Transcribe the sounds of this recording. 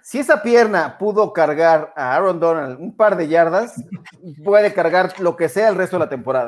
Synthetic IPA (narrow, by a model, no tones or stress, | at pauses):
sie̞sapje̞ɾnapuðo̞kaɾɣaɾaaɾo̞nd̪o̞nald̪umpaɾðe̞ʝaɾðaspwe̞ðe̞kaɾɣaɾlo̞ke̞se̞aelrest̪oelat̪empo̞ɾaða̰